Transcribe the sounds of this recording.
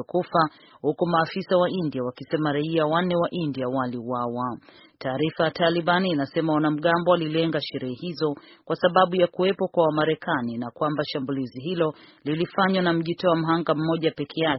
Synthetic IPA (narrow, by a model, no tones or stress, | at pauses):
kufa | hukɔmaːfisawaʔindiawakisɛmaɾaiawanːɛwaʔindiawaliuwawa | taːɾifajataliɓaniːnasɛmawanam̩ɠambɔalilɛŋɡaʃɛɾɛhɛhizɔ | kwasaɓaɓujakuɛpɔkwawamaɾɛkaninakwambaʃambuliziɦilɔ | lilifaɲwanam̩ʄitɔam̩ɦaŋɡam̩mɔʄapɛkʰɛjak